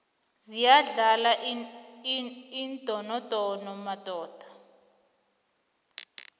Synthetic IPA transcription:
zijaɮala | ind̥ʼʱɔnɔtʼɔnɔmatʼɔːd̥ʱḁ

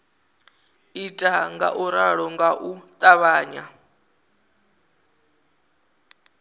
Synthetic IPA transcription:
itʼaŋɡa̰ʔuɾaɺɔŋɡaʔut̪ʼaβaːɲa

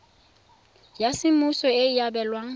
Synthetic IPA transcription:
jasɪmusɔeijabɛlwaŋ̩

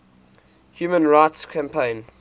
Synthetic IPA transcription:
hjuːmə̃nɹaɪtskʰæ̃mpʰẽɪ̃n

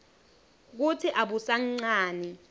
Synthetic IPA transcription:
k̬utʰiʔaɓusaŋ͡ǀaːni

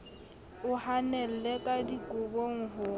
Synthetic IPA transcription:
ʊhanɛl̩lekʼadikʼʊboŋ̩ɦʊ

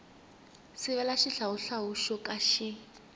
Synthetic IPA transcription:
sɪβɛlaʃiɬauɬaɦuʃɔkʼaʃi

